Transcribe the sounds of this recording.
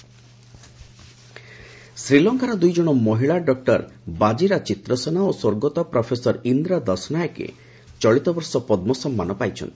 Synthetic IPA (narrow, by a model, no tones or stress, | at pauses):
sɾilɔŋkaɾɔd̪ujd͡ʒɔɽ̃ɔmɔɦiɭaɖɔk̚ʈɔɾbad͡ʒiɾat͡ʃit̪ɾɔsɔnaosoɾɡot̪ɔpɾɔpʰesɔɾind̪ɾad̪ɔsnajkḛ | t͡ʃɔɭit̪ɔbɔɾsɔpɔd̪mɔsɔmːanɔpajt͡ʃʰɔ̰nt̪ʰi̥